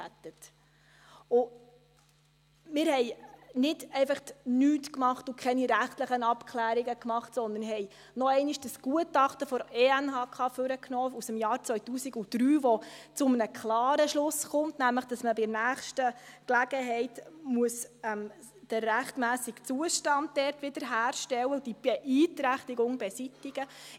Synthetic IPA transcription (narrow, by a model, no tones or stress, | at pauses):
æt̪ət | ʊ | mɪɾhɛɪnɪd̥ɛɪfɑχtnyːtkmɑχtʊkʰɛniɾæχtləχənɑpkʰlæːɾiɡəkmɑχtsɔnd̪ənɦɛɪ | nɔɛɪniʃd̥əsɡ̥uətɑχtəfɔɾeænhɑːkʰɑːføɾəknɔːusəmjɑːɾt͡sʋœʏtuːsiɡʊd̥ɾyːʋɔt͡sʊmənəkχlɑːɾəʃlʊsχʊntnæmləχd̥ɑsməbɪnæːχʃtəklæɡ̥əɦɛɪtmuəsɛm | d̥əːæχtmæːsikt͡suəʃtɑnt̚d̥ɛɾtʋɪd̥əɾɦæːɾʃtɛwəʊd̥ib̥ɛʔiːtɾæχtiɡʊŋbɛsitiɡ̥ə